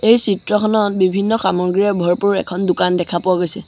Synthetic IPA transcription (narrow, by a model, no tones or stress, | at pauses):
ejsitɹɔkʰɔnɔt̚bibʱinːɔxamɔɡɹijɔɹbʱɔɹpuɹɛ̰kʰɔndʊkandɛkʰapʊwaɡojsɛ